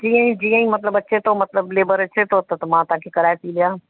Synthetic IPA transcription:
d͡ʒiːãĩd͡ʒiːãːĩmɐt̪ləbɐtːʃʰet̪omɐt̪ləbleːbəɾɐtːʃʰet̪ot̪ɐt̪ɐmãːt̪ãkʰekɐɾaːepilɪjaː

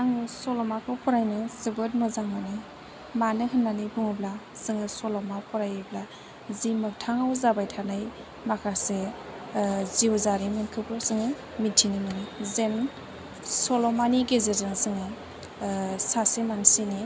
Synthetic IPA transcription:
aŋɯsɔlɔmakʰɯwpʰɔɾajnɯsɯbɯt̚mɯzaŋmani | manɯhɯnːanɯbuŋɯblasɯŋɯsɔlɔmapʰɔɾajɯbla | zimɯk̚tʰaŋawzabajtʰanaj | makʰase | ziwzaɾimɯnkʰɯpʰɯɾsɯŋɯ | mitʰinɯmɯnɯzen | sɔlɔmaniɡezezɯŋsɯŋɯ | sasimansini

